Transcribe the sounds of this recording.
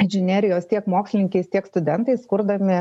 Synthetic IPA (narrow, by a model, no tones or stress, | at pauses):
ɛnʲʒʲɪnʲeːɾʲɪjoːst̪ʲiɛkmoːksʲlʲɪnʲɪŋʲkʲɛɪst̪ʲiɛkst̪ʊd̪ʲɛnt̪ɐɪskʊɾd̪ɐmʲɪ